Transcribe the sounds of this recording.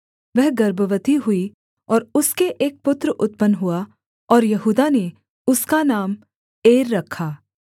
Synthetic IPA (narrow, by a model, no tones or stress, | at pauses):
ʋɛɦɡɐɾbəʋət̪iɦʊi | ɔːɾʊskeʔeːk̚pʊt̪ɾəʔʊt̪̚pənɦua | ɔːɾjɐɦuːd̪ane | ʊskanaːm | eːɾːɐkʰːaː